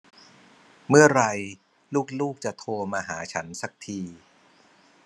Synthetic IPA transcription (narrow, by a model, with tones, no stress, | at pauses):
mɯ˥˩ɐɾa˧j | luː˥˩k̚luː˥˩k̚t͡ɕa˨˩t̪ʰoː˧maː˧ɦaː˩˦t͡ɕʰa˦˥nsa˨˩k̚t̪ʰiː˧